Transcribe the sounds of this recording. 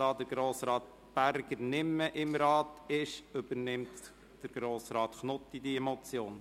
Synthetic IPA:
ɑːd̪əɾɡ̥ɾoːsɾɑːt̪ | b̥æɾɡ̥əɾnɪmːəʔɪmɾɑːt̪ɪʃʏbəɾnɪmt | d̥əɾɡ̥ɾoːsɾɑːt̪χnʊt̪ːidiɛmɔt͡sjoːn

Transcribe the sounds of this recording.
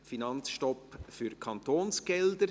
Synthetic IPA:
finɑnt͡sʃtɔpfyɾkʰɑnt̪oːnsɡ̥ɛld̪əɾ

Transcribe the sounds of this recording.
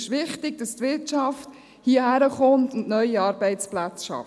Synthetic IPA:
ʃʋɪχtɪɡ̚d̥ɑstʋɪɾtt͡ʃɑft | hiːhæɾəχɔntʊndnœʏiɑːɾbɛɪt͡splæt͡sʃɑ̰

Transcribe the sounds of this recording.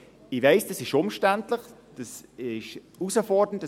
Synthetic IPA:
ɪvaɪsd̥ɑsɪʃʊmʃtæntləχd̥ɑsɪʃ | usəfɔɹd̥ənt

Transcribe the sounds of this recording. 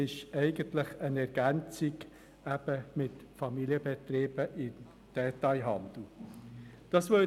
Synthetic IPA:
ɪʃɛɪɡəntlɪχənɛɾɡ̥ænt͡sɪɡ | æb̥əmɪtfɑmiliəbɛt̪reːbəʔɪn | d̪̥ɛtɑɪɦɑnd̪̥l̩ | d̥ɑsʋœ

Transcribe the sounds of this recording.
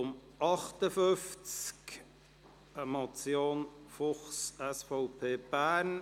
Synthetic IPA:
ʊmʔɑχt̪əfʏft͡sk | əmɑt͡sjoːnfʊχsɛsfɔʊpʰeːb̥æːɾn

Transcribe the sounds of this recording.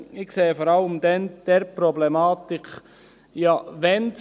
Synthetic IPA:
ɪkseːfɔɾɑləmd̪ɛnd̥ɛɾpɾɔblɛmaːt̪ɪk | jɑʋɛn

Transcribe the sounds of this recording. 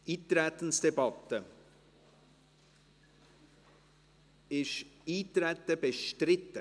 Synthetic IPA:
ʔiːt̪ɾɛːt̪ən̩sd̥ɛbɑt̪ːə | ɪʃiːt̪ɾɛt̪ːəbəʃtɾɪt̪ːə

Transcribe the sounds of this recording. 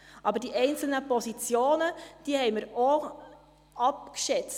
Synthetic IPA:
ʔɑbəɾdiːɛɪnt͡sl̩nəpɔsit͡sjoːnəd̥iːəhɛɪməɾo | ɑpkʃɛt͡s

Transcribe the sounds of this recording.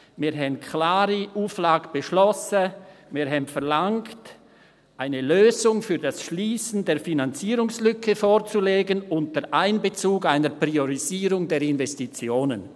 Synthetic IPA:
mɪːɦɛmkʰlaːɾiʔuːflaːɡəb̥əʃlɔsəmɪːɦɛmtfɛɐʁlaŋkt | ʔaɪnəløːzʊŋfyːɐdasʃliːsn̩deːɐfinant͡siːɾʊŋslʏkʰəfoːʁt͡suleːɡənʊntəʔaɪnbət͡suːɡaɪnəpʁ̥ioʁiziːʁʊŋdeːɾɪnvɛstit͡sjoːnən

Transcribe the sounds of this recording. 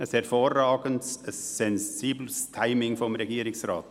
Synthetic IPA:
əshɛʁfoːʁaːɡəntsəsːɛnziːblstʰaɪmɪŋfɔmʁeɡiːɾɪsʁa̰ːt

